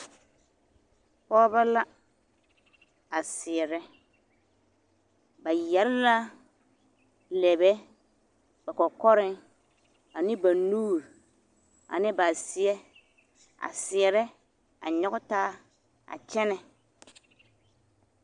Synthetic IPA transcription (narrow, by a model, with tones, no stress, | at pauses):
pɔː˦ba˦la˦ | a˨sɪ˨ɛ˨ɾɛ˦ | ba˨jɛ˨lɪ˦la˦ | lɛ˨bɛ˦ | ba˨kɔ˨kɔ˦ɾɪ˦ŋ | a˨nɪ˦ba˨nuː˦ɾ | a̰˨nɪ˦ba˨sɪ˦ɛ˦ | a̰˨sɪ˨ɛ˨ɾɛ˦ | a̰˨ɲɔ˦ɣʊ˦taː˦ | a̰˨t͡ʃɛ˦nɛ˨